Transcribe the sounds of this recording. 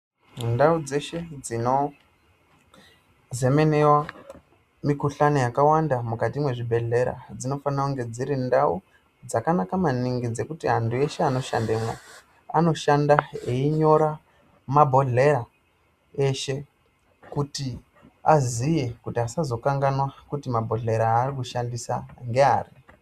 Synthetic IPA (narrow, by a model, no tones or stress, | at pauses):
ndaud͡ze̞ʃe̞d͡zino̞ | ze̞me̞ne̞wa | mikuɬanojakawandamukatimwe̞ʐibʱe̞ɮe̞ɾa̰d͡zino̞fanakuŋɡe̞d͡ziɾindau | d͡zakanakamaniŋɡid͡ze̞kutiɦantʰue̞ʃe̞ano̞ʃa̰ndeːmwa | a̰no̞ʃandaeiɲo̞ɾa | mabʱo̞ɮe̞ɾa | e̞ʃe̞ | kuti | azijekutiasazo̞kaŋɡanwakutimabʱo̞ɮe̞ɾaːrikuʃandisa̰ŋɡe̞a̰ːri